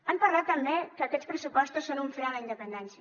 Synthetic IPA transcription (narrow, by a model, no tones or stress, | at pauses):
ampəɾlat̪ːəmbekəːkɛspɾəsupɔst̪usːonuɱfɾɛələind̪əpənd̪ɛnsiə